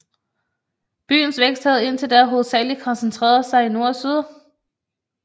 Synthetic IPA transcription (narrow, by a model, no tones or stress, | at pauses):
b̥y̰ːn̩sʋeɡ̥sd̥hæð̩ˠe̝n̰t͡sʰe̝ld̥æɐɦo̝ð̩ˠsɛ̰ːlikʰɒ̽nsent͡sʰʁḛːɐðˠsɑ̈ɪino̝ɐsyð̞ˠ